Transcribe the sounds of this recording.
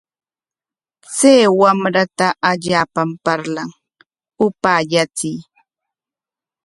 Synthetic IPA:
t͡seːwamɾat̪aʔaʎaːpampaɾlaŋ | ʊpaːʎat͡sɪj

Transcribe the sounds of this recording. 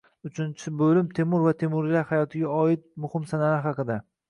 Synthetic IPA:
ʊt͡ʃʰɪnt͡ʃʰɪbɵlɪmt̪ʰe̞mʊɾvat̪ʰe̞mʊɾlaɾhajɒt̪ʰɪɡʲaɒɪt̪̚mʊhɪmsanaaɦɑqɨd̪a

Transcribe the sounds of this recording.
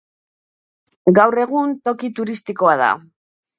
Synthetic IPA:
ɡawre̞ɣ̞unt̪o̞kit̪uɾist̪iko̞aða̰

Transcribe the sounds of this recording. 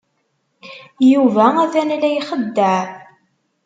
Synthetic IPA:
juvææθænælæjiχəd̪ːəʕ

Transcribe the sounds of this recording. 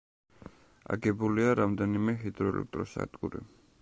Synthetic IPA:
a̰ɡɛbuliaɾamd̪ɛnimɛɦid̪ɾɔɛlʔɛ̰k̚t̪ʼɾɔsa̰d̪ɡuɾḭ

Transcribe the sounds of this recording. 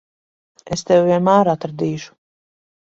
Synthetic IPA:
est̪ɛwviɛnmaːɾat̪ɾad̪iːʃu̥

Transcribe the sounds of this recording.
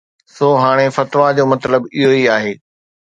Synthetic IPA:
soːɦaːɽ̃efɐt̪ʋad͡ʑoːmɐt̪ləbɪɦoiaːɦeː

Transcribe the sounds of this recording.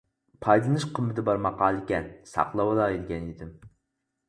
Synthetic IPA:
pʰɑjd̪ˠɨnɨʃqʰəmːɨt̪ʰɪbɑɾmɑqɑːlˠɪkʲɛnsɑ̰qlˠɑwɑd̪ɑid̪ɪɡʲɛnid̪ɪm

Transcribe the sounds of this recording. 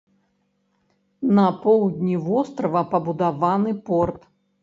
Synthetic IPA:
nɐpɔwd̪ʲnʲivɔst̪ɾɐvɐpɐbud̪avanɨpɔrt̪

